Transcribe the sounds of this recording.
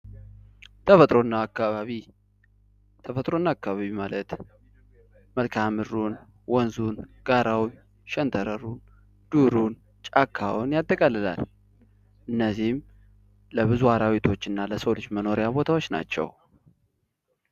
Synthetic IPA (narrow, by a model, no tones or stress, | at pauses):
t̪ʰəfət̪ʼɾo̞nːaːkːaβaβi | t̪ʰəfət̪ʼɾo̞nːakːaβaβimalət̪ | məlkʰamɨrːun | wɔnzunɡ̥aɾawn | ʃɛnt̪ʰəɾəɾun | d̪̥uɾun | t͡ʃʼakʰːawʊnjat̪ʼːəkʼalːɨla̰l | ʔɨnːəzihm | ləβɨzuhaɾawit̪ʰo̞t͡ʃːɨnːaləsəwlɨd͡ʒməno̞ɾejabo̞t̪ʰawo̞t͡ʃːna̰t͡ʃːɛ̰w